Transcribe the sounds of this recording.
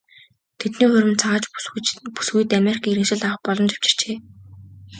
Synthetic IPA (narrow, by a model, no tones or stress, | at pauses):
t̪ʰet̪niːχɵɾʲɪ̆nt͡sʰaʁːt͡ɕpu̥sɡuj̆t̪ameɾikʰaːiɾɘ̆ŋʃɪ̆ɮaw̆χpɔɮɞ̆mt͡ɕḁw̥t͡ɕɪ̥̆r̥t͡ɕeː